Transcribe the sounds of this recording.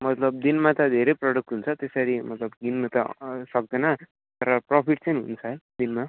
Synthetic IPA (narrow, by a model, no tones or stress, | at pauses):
mʌt̪lʌb̚d̪inmat̪ʌd̪ʱeɾejprʌɽuk̚ʈɦunt͡sʰʌt̪esaɾimʌt̪lʌbɡinmut̪ʌ̰sʌk̚d̪ʌnʌ | t̪ʌɾʌprʌpʰiʈt͡saniɦunt͡sʰʌɦʌjd̪inma